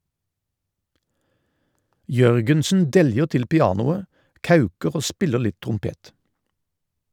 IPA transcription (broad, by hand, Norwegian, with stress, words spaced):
ˈjœʁɡənsn̩ ˈdɛljəʁ ˈtɪl pɪˈɑːnʊə ˈkɑʉkəʁ ˈoː ˈspɪlə ˈɭɪt tʁʊmˈpeːt